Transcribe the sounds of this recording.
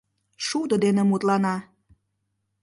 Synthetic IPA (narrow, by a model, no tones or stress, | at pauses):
ʃud̪əd̪enemut̪lɑnɑ